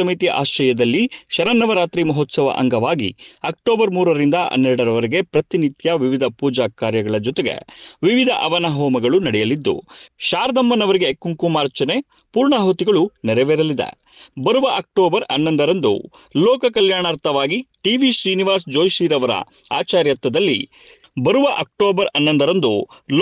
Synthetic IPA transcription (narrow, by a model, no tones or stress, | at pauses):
ɐmit̪ijɐʔa̰ːʃɐjɐd̪ɐlːiʃɐɾɐnːɐʋɐɾaːt̪ɾimɐɦɔt̪sɐʋɐ̰ʔɐ̰ŋɡɐʋaːɡḭɐk̚ʈoːbɐɾmuːɾɐɾind̪ɐʔɐ̰nːɛɾɽɐɾɐʋɐɾiɡe̞pɾɐt̪init̪jɐʋiʋid̪ʱɐpuːd͡ʒaːkaːɾjɐɡɐɭɐd͡ʒɔt̪eɡḛʋiʋid̪ʱɐ̰ʔɐʋɐnɐɦɔːmɐɡɐɭunɐɽɛjɐlid̪ːṵʃaːɾd̪ɐmːɐnɐʋɐɾiɡekːuŋkumaːɾt͡ʃɐne | puːɾɳɐɦot̪iɡɐɭunɛɾeʋeɾɐlid̪ḛ | bɐɾuʋɐʔɐk̚ʈoːbɐɾɐ̰nːɐnd̪ɐɾɐnd̪ṵ | lɔːkɐkɐljaːɳaːɾt̪ʰɐʋaːɡiʈiʋiʃɾiːniʋaːsd͡ʒoːjʃiːɾɐʋɐɾɐ̰ | a̰ːt͡ʃaːɾjɐt̪ːɐd̪ɐlːḭ | bɐɾuʋɐʔɐk̚ʈoːbɐɾɐnːɐnd̪ɐɾɐnd̪ul